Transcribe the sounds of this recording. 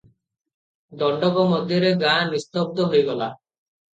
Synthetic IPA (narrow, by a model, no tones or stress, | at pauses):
d̪ɔɳɖɔkomɔd̪ʱjɔɾeɡamist̪ɔb̚d̪oɦojɡɔla